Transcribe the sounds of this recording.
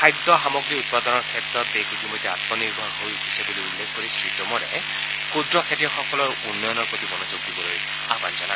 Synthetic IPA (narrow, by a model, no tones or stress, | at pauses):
ajd̪ɔxamɔɡɹiut̪̚pad̪ɔnɔɹkʰɛtɹɔt̪ːekitʰimɔjt̪ːea̰t̪̚mɔniɹbʱɔnɦojhisebuliulːekʰkoɹisɹitɔmɔɾɛ̰ | kudɹɔkʰetijɔxɔkɔlɔɹunːɔjɔnɔɹpɹot̪ibɔnozuɡdibɔloj | aba̰nzɔna